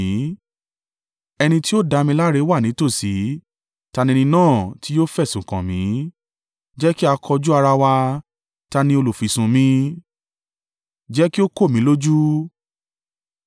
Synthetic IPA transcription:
ɛ˧nĩ˧ti˦o˦da˧mĩ˧˦la˦ɾe˨˧˦wa˦˨nĩ˨˦to˦˨si˨˦ | ta˧nĩ˧nĩ˧nãː˦˨ti˨˦jo˦fɛ˦˨sũ˨kã˨mĩ˨˦ | d͡ʒɛ˦ki˦a˧kʰɔ˧d͡ʒu˦a˧ɾa˧wa˧ | ta˧nĩ˧˦o˧lo˨fi˨sũ˨mĩ˦ | d͡ʒɛ˦ki˦o˦ko˦˨mĩ˨˦lo˦d͡ʒu˦

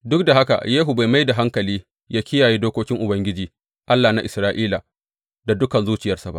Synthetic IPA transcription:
dʊ˦k̚da˨ɦa˦ka̰˨jeː˦ɦu˨ba˨jma˦jda˨ɦa˦ŋkɐ˨liː˦ | jaː˦kʲɪ˦jaː˨ji˦doː˦kʷoː˦kʲɪ˦ŋʔʊ˨bɐ˦ŋɡʲɪ˦d͡ʒiː˨ | ʔa˦lːa˨na˦ʔɪ˨sɾaː˦ʔiː˦la˨ | da˨dʊ˦kɐ˨nzuː˦t͡ʃɪ˨jɐ˦rsa˨˦ba̰˦ʔ

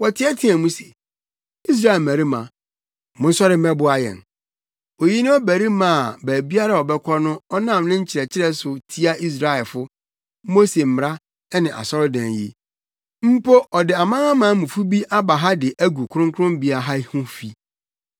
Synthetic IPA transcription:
wɔ˨tʰɪ˨˦ɛ˦tʰĩ˦æ˨mũ˦sɛ̥˨ | i˦s̬ɾa˦ɛ˨mæ̃˨ɾi˦mã̰˨ | mʊ̃˦n˦sɔ˦ɾɪ˦ɛ̃˦bʊ˦a˨jɛ̰̃˨n | o˨ji˦nʊ̃˦ɔ˦bæ˨ɾi˦mã˨bæː˨bi˦a˦ɾa˦ɔ˨bɛ˦kʰɔ˦nʊ̃˦ɔ˦nã˦˨mnʊ̃ɪ̃˦ɲ̩˦t͡ɕʰɪ˨ɾɛ˨t͡ɕʰɪ˦ɾɛ˦sʊ˨tʰi˦a˦i˦s̬ɾa˦ɛ˨lfʊ˦ | mo˦se˨m̩˨m˨ɾa˦ | nɪ̃˨ʔa̰˨sɔ˦ɾʊ˦dã˨njḭ˦ | m̩˦pʰo˦ʔɔ˨dɪ˨a˨mã˦ã˦mã˨˦mũ˨fu˦bi˦ʔa˦ba˨ɦa˦dɪ˨ʔæ˦ɡu˨kʰʊ˦ʊ̃˦ŋ˦kʰʊ˦ɾʊ̃˦mbi˦a˨ɦa˦hʊ̃˦fi˦

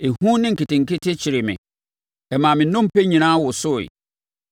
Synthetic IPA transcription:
e˨hũ˦nɪ̃˦ŋ̩˨kɪ˨tɪ̃˨ŋ̩˨kɪ˦tʰɪ˦t͡ɕʰɪ˨ɾɪ˨mɪ̰̃˨ | ɛ˨mã˨mɪ̃˨˦nʊ̃˦m̩˦pʰe˦ɲĩ˨nãː˦wʊ˨sʊ˦ɪ̰˨

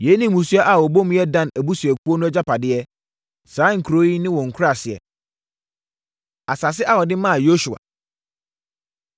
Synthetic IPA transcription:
je˨˦nĩ˦˨mũ˨su˦a˦ʔa˨wɔ˨bo˦m˦jɛ˦dã˦næ˨bu˦su˨ɛ˨kʰu˦o˦nʊ̃˦ɛ˦d͡ʑa˦pʰa˨dɪ˦ɛ˦ | sãː˨˦ŋ̩˨kʰu˨ɾo˦i˦nɪ̃˦wɔ̃˨ŋ̩˨kʰa˨sɪ˨ɛ̰˨ | a˨sa˨s̬ɪ˦ʔa˦˨wɔ˨dɪ˦mã˦˨jo˦ʃu˨a̰˨

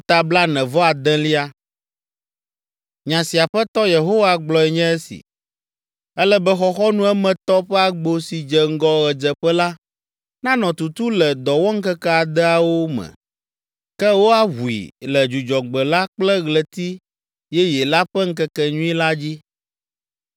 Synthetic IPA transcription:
fu˦t̪a˨bla˦nɛ̃˨vɔ˦a˨d̪ɛ̃˦li˦a˦ | ɲã˨si˨a˨ɸɛ˦t̪ɔ˦je˨ɦo˦wa˨ɡ͡blɔ˨ɛ˨ɲɛ̃˦ɛ˦sḭ˨ | ɛ˦lɛ˦bɛ˦xɔ˦xɔ˦nũ˦ɛ˦mɛ̃˨t̪ɔ˦ɸɛ˦a˨ɡ͡bo˨si˨d͡ʒɛ˨ŋ̩˦ɡɔ˦ɣɛ˨d͡ʒɛ˨ɸɛ˦la˦ | nã˦nɔ̃˨t̪u˨t̪u˦lɛ˨d̪ɔ˨wɔ˦ŋ̩˦kɛ˦kɛ˦a˨d̪ɛ˦a˨wo˦mɛ̰̃˨ | kɛ˦wo˦a˦ɦu˨ḭ˨lɛ˨d͡ʒu˨d͡ʒɔ˨ɡ͡bɛ˨la˦k͡plɛ˦ɣlɛ˨t̪i˦ | jɛ˦jɛ˨la˦ɸɛ˦ŋ̩˦kɛ˦kɛ˨ɲũ˦i˦la˦d͡ʑi˦

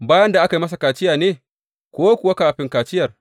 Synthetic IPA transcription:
baː˦jɐ˦nda˨ʔa˦ki˦mɐ˦s̬a˨kaː˨t͡ʃɪ˦jaː˨neː˦ | kʷoː˦kʷʊ˨wa˦kaː˨ɸɪ˦ŋkaː˨t͡ʃɪ˦jɐ˨r

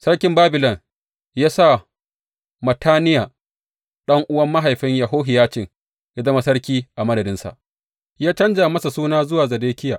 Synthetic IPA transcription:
sɐ˦ɽkʲɪ˦mbaː˦bɪ˨lɐ˨ŋ | jaː˦sa˦˨ | mɐ˨tʰaː˦nɪ˦jaː˨ | ɗɐ˦ŋʔʊ˦wɐ˦mːa˦ɦa˨jɸɪ˦ɲja˨ɦoː˦ɦɪ˨jaː˦t͡ʃɪ˦˨ŋ | ja˦zɐ˦ma˨sɐ˦ɽkʲiː˦ʔa˨mɐ˦dɐ˨dɪ˦nsa̰˨ʔ | jaː˦t͡ʃɐ˦nd͡ʒa˨mɐ˦sa˨suː˦naː˦zʊ˦waː˨zɐ˨deː˦kʲɪ˦jaː˨

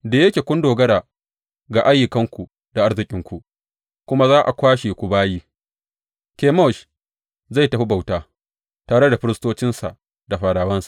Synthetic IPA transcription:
daː˨je˦kʲeː˨kʷʊ˦ndoː˨ɡɐ˦ɾaː˨ | ɡa˨ʔa˦jɪ˨kɐ˦ŋkʷu˨ | da˨ʔa˦ɽzɪ˨kʲʼɪ˦ŋkʷu˨ | kʷʊ˦ma˦zaː˦ʔa˨kʷaː˦ʃeː˨kʷu˨baː˦jiː˦ | kʲeː˨mɔ˦˨ʃ | za˦˨jta˨ɸi˦ba˨wtaː˦ | taː˨ɽe˦da˨ɸɪ˦ɾɪ˦stoː˦t͡ʃɪ˦nsa̰˨ʔ | da˨ɸaː˨ɽaː˨wɐ˦nsḁ˨ʔ

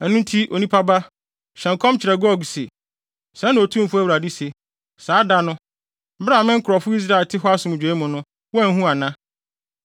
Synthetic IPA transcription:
æ˨nũ˦n˦tʰi˦ʔo˨nĩ˦pʰa˦ba˦ | ɕɛ̃˨ŋ˨kʰɔ̃˦mt͡ɕʰɪ˨ɾɛ˨ɡɔ˦˨ɡse˨ | sã˨˦nʊ̃˨o˨tʰũ˦m˦fʊ˦æ˦wɾa˨di˦se˨ | saː˨˦da˦nʊ̃˦ | bɪ˦ɾa˦˨mɪ̃˦ŋ̩˦kʰʊ˨ɾɔ˨fʊ˦i˦s̬ɾa˦˨ɪ˨tʰɪ˦ɦɔ˦a˦sʊ˨m̃˨d͡ʑᶣẽ˨˦mʊ̃˨nʊ̃˦ | wɔ˦æ˨ŋ˦ɦũ˦a˨nã˦

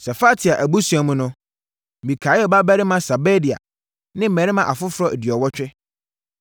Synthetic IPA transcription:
sɛ˨fa˦tʰi˨a˨ʔæ˨bu˦su˨˦a˨mũ˦nʊ̃˦˨ | mĩ˨kʰaː˨˦jɛ˦˨ba˦bæ˦ɾɪ˦mã˨sa˨bɛ˦di˨a̰˨ | nɪ̃˦m̩˦˨mɛ̃˨ɾɪ˦mã˨ʔa˨fʊ˦fʊ˦ɾɔ˦ʔe˨di˨ɔ˨wɔ˦t͡ɕᶣɛ˦

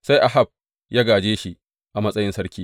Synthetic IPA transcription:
sa˦jʔa˨ɦa˦˨b̚ | jaː˦ɡaː˨d͡ʒeː˦ʃi˦ | ʔa˨mɐ˦sʼɐ˦jɪ˦nsɐ˦ɽkʲiː˦

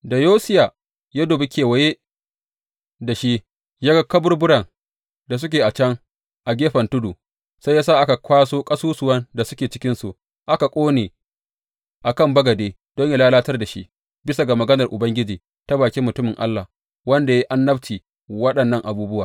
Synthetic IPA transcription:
da˨joː˦sɪ˦ja˨ | ja˦doː˨be˦kʲʰeː˨wɐ˨je˦ | da˨ʃi˦ | jaː˦ɡɐ˦kːɐ˦bʊ˦rbʊ˦ɽɐ˨ŋ | da˨s̬ʊ˦kʲeː˨ʔa˨t͡ʃɐ˦ŋ | ʔa˨ɡʲeː˦ɸɐ˨ntʊ˦du˨ | sa˦jaː˦saː˦˨ʔa˦ka˨kʷaː˦soː˦kʼɐ˦suː˦sʊ˨wɐ˦nda˨sʊ˦kʲeː˨t͡ʃɪ̥˦kʲɪ˦nsu˨ | ʔa˦ka˨kʷʼoː˦neː˨ | ʔa˨kɐ˦˨mbɐ˦ɡɐ˨deː˦ | d̥ɔ˦ɲja˦laː˦laː˦tɐ˦rda˨ʃi˦ʔ | bɪ˦sa˨ɡa˨mɐ˨ɡɐ˦nɐ˨rʔʊ˨bɐ˦ŋɡʲɪ˦d͡ʒiː˨ | ta˦baː˨kʲi˦mːʊ˨tʊ˦mɪ˨ŋʔa̰˦lːa˨h | wɐ˦nda˨ja˦ʔa˦nːɐ˦ɸt͡ʃiː˨ | wɐ˦ɗɐ˨nːɐ˦˨ŋʔa˨buː˦bʊ˦waː˨

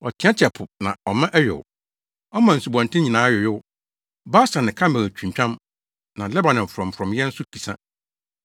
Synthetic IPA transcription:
ɔ˨tʰɪ̃˨˦ã˦t͡ɕʰɛ˨pʰʊ˨nã̰˨ɔ˨mã˦ʔɛ˦ɥʊ̰˨w | ɔ˦mã˨n̩˨su˨bɔ̃˨ntɪ̃˦ɲĩ˨nãː˨˦jʊ˨jɪ˦w | ba˦sã˨nɪ̃˨kʰã˦m˦bæ̃˨t͡ɕᶣʰũ˨m˨t͡ɕᶣã˦m | nã˨lɛ˦ba˨nɪ̃˨ɱ̩˨fɾɔ̃˨m˨fɾɔ̃˨mjɛ˦n̩˦sʊ˦kʰi˨sã˦

